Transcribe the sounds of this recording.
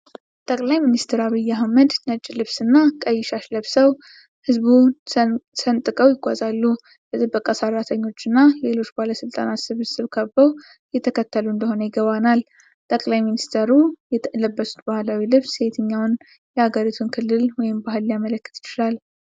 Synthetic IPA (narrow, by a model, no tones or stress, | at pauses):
t̪ʼəkʼlajminist̪ʰəɾaβijːaɦməd̪nət͡ʃʼːlɨβsɨnːakʼəjːɪʃaʃləβsəw | hɨzβu | sənt̪ʼɨkʼəwjɪɡʷazalːu | bət̪ʼɨbːəkʼasərːat̪ʰəɲːo̞t͡ʃːɪnːale̞lo̞t͡ʃːbahləsɨlt̪ʼa̰nat̪sɨβɨsɨβkʰəβbəw | jɛt̪ʰəkʰət̪ːəluɨnd̪əho̞nəjɪɡəβanal | t̪ʼəkʼlajminist̪ʰeɾujɛləbːəsu̥t̪bahlawilɨβse̞t̪ʰɨɲːawn | jɛhaɡəɾit̪ʰunkʰɨlːɨlwɔjɪmbaɦɨlːjamələkːɨ̥t̪jɪt͡ʃɪlal